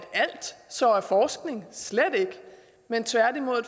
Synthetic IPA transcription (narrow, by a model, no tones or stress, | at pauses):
d̥æl̰d̥sɒæɐfɒːsɡ̥ne̝ŋsled̥e̝ɡ̥ə | ment͡sʰʋæɐ̰d̥imo̝ð̰ˠ